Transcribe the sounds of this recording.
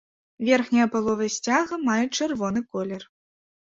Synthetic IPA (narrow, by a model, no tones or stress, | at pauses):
vʲɛrxnʲɐjɐpalˠɔvɐsʲt͡sʲaɣɐmajɛt͡ʂɨrvɔnɨkɔlʲɛr